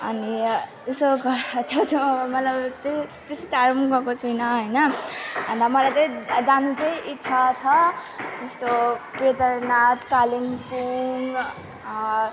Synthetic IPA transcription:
ʌni | usoɡʱʌɾat͡sʰʌt͡sʰuʌbʌmʌt̪lʌbt̪et̪est̪aɾmɡʌkot͡sʰunʌɦojnʌʌnd̪amʌlajt͡sʌĩd͡zanut͡sʌĩʔitːsʰat͡sʰʌd͡zʌst̪oked̪ʌɾnat̪kalimpuŋ

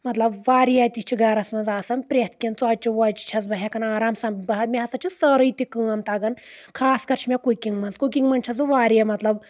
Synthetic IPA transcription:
mɐt̪lɐbʋaːɾijat̪ʲit͡ʃʰiɡɐɾɐsmɐnzaːsɐnpɾʲet̪̚ʰkʲint͡sɔːt͡ʃiʋɔt͡ʃi̥t͡ʃʰɐzbɐɦekɐnaːɾaːmsɐmbɐɦɐt̪̚mʲiɦɐsɐt͡ʃʰisəɾɨit̪ʲikɨːɐnt̪aɡɐnkʰaːskɐɾt͡ʃʰimʲekukʲiŋɡmɐnzkuk̬ʲiŋɡmɐnt͡ʃʰɐzuʋaːɾjɐmɐt̪lɐb

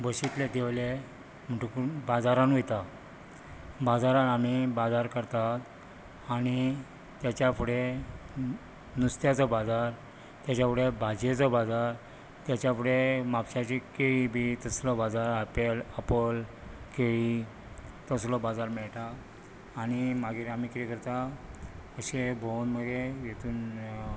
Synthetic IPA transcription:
bəɕit̪led̪ʱeʋle | m̤ʈukubad͡zaɾanujt̪a | bad͡zaɾanamibad͡zaɾkəɾt̪at̪ | aɽ̃i | t̪jat͡ɕjapʰuɽe | nust̪jat͡sɔbad͡zaɾ | t̪jat͡ɕjapʰuɽebʱad͡ʑet͡sɔbad͡zaɾ | t̪jat͡ɕjapuɽemapɕat͡ɕikeɭibʱit̪əslɔbad͡zaɾapelapəl | keɭi | t̪əslɔbad͡zaɾmɛɭt̪aː | ñimaɡiːɾamikit̪ekəɾt̪a | əɕebʱonməɡejet̪uːn

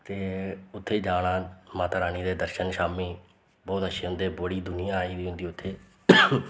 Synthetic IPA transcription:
t̪eːʊt̪ʰːeːd͡ʒaːɽaːmaːt̪ːɾaːñiːd̪eːd̪əɾʃənʃaːmiː | bɔːt̪əʃʰeːɦʊ̃nd̪eːbəɽiːd̪ʊnɪjãːaːiːd̪iːɦʊ̃nd̪iːʊt̪ʰːeː

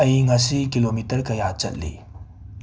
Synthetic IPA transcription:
əjŋasikilomitəɾkɐjat͡ʃə̰t̚lḭ

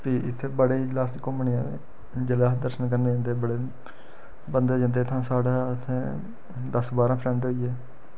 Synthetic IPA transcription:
piːʔɪt̪ʰːeːbəɽeːiːd͡ʒəlaːskoməɳiːãːʋḛː | d͡ʒəlaːsd̪əɾʃənkəɾneːd͡ʒãnd̪eːbəɽeː | bənd̪eːd͡ʒãːnd̪eːt̪ʰãːsaːɽaːət̪ʰːẽː | d̪əsbaːɾãːpʰɾɛ̃ːɳɖɦoːiːɛː

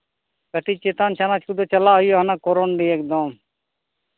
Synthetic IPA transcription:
kəʈ̪iːt͡ʃeːt̪aːnt͡ʃʰaːnaːt͡ʃʰkud̪oːt͡ʃəlaːɦʊjoːɦənãːkoːɾoːnɖiːeːk̚d̪om

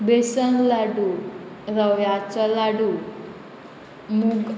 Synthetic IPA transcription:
besənlaɽu | ɾəʋjat͡sɔlaɽu | muɡ

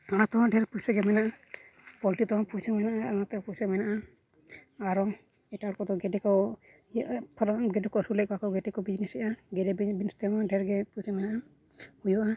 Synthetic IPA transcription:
anat̪ɔwaɖɛɾpusɛɡɛmɛnaʔa | pɔlʈit̪ɔapujsamɛnaʔaanat̪ɔpujsamɛnaʔa | aɾɔɛʈaɽkɔd̪ɔɡɛɖɛkɔ | pʰɾɔɡɛɖɛkɔsulɛkɔakɔɡɛɖɛkɔbid͡ʒnɛsɛʔaɡɛɖɛbinst̪ɛmaɖɛɾɡɛpusɛmɛnaʔa | hujɔʔa

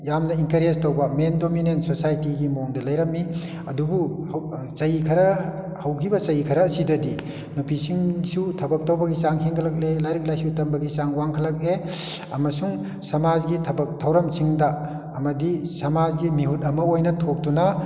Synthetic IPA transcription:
jamnɐiŋkɐɾestowbɐmendominentsosajtiɡimoŋdɐlɐjɾɐmːi | ɐdubu | t͡ʃɐjikʰɐɾɐ | hɐwkʰibɐt͡ʃɐjikʰɐɾɐsidɐdi | nupʰisiŋsutʰɐbɐk̚towbɐɡisaŋheŋkʰɐlɐk̚elajɾik̚lajsutɐmbɐɡisaŋwaŋkʰɐlɐk̚e | ɐmɐsuŋ | sɐmazɡitʰɐbɐk̚tʰɐwɾɐmsiŋdɐː | mɐdisɐmazɡimiɦut̚ɐmɐojnɐtʰok̚dunɐ

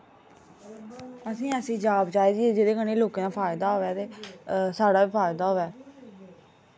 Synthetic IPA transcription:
əsĩːəsĩːd͡ʒaːbt͡ʃaːiːd͡ʒieːd͡ʒed̪eːkəneːloːkãːd̪aːpʰaːɪd̪aːɦoːʋɛːt̪eːsaːɽaːiːpʰaːɪd̪aːɦoːʋɛː

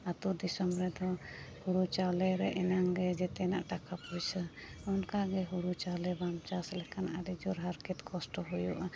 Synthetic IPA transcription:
at̪ud̪isɔmɾɛd̪ɔhuɾut͡ʃawlɛɾɛʔɛnaŋɡɛd͡ʒɛt̪ɛnaʔʈakapujsəɔnkaɡɛɦuɾut͡ʃawlɛbamt͡ʃaslɛkʰanʔaɾɛd͡ʒɔɾɦaɾkɛt̪kʰɔsʈɔɦujɔʔa

